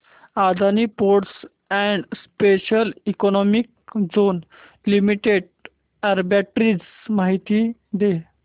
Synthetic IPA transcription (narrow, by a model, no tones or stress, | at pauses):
ad̪ʱaniːpoɽs | ɛ̃ɳɖspeɕəlikɔnɔmik̚ | d͡zon | limiʈeɽ | ɛɾbæʈɾid͡z | maɦit̪iːd̪e